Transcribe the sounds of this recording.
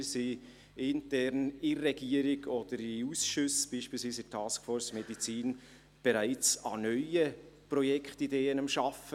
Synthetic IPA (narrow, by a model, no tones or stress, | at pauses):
si | ɪntɛɾnɪrːɛɡ̥iəɾɪɡɔd̥əɾɪusʃʉsb̥iːʃpiːlsviːsɪtʰɑːskfɔːɾsmɛdit͡siːn | b̥ɛɾæɪt͡sɑnœʏə | prɔjɛkχtideːənɑmʃɑfə